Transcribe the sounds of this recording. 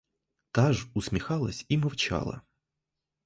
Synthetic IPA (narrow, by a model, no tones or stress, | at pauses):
t̪aʐʊsʲmʲixɑlˠɐsʲimɐwt͡ʃɑ̰lˠɐ̰